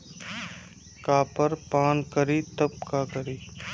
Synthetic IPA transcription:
kaːpɐɾpaːnkɐɾit̪ɐb̚kaːkɐɾiː

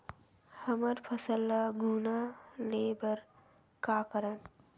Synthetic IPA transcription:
həməɾpʰəsəlːaɡʱuːnaleːbəɾ | kaːkəɾən

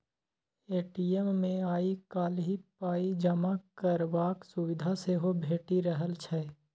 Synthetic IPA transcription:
eːʈiemːẽaːikaːlɦipaːid͡ʒəmakəɾʋaːksʊwɪd̪ʱaseɦobʱeːʈiɾəɦəlt͡ʃʰɛ

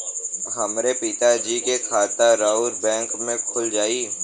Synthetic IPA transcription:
ɦɐmɾepit̪ad͡ʒiːkekʰaːt̪aɾaːʊɾbɛ̃ːŋkmẽkʰʊld͡ʒaːiː

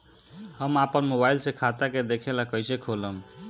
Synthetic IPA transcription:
həmapənmobajlsekʰat̪aked̪ekʰelakəjsekʰoləm

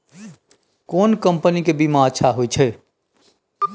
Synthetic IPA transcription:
koːnkəmpənikebimaət͡ʃʰʃʰaɦojt͡ʃʰɛ

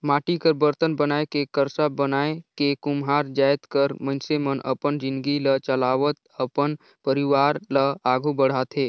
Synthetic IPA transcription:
maːʈikəɾbəɾt̪ənbənaːekekəɾsabənaːekekʊmɦaːɾd͡ʒaːjt̪kəɾmə̃nsemənʔə̰pənd͡ʒɪ̃nd̪ɡilət͡ʃəlaːʋət̪ | əpən | pəɾiʋaːɾləaːɡʱubəɽ̤aːt̪ɦeː

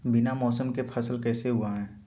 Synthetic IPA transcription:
bɪnamɔːsəmkepʰɐslkɛːseɦʊaɦɛ̃ː

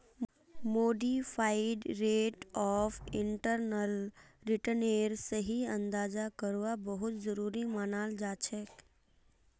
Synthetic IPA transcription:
moːɖifʰaːɪɖɾeːʈɔːfɪ̃ɳʈəɾnəlɾɪʈəneːɾsəɦiɐ̃nd̪aːzakəɾʋabəɦʊt̪zəɾuːɾimaːnaːld͡ʒaːt͡ʃʰɛk

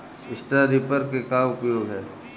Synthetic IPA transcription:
ɪsʈɾaɾipəɾkekaʊpjoːɡɦɛː

